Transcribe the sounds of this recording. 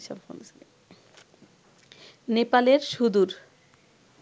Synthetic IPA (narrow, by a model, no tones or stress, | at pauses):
ʃa̰mfo̰ns | nepaleɾʃud̪uɾ